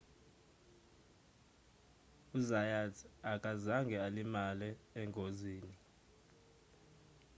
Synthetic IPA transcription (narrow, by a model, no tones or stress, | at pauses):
uzajatʰakʼazaŋɡʱɛalimalɛɛŋʱoziːni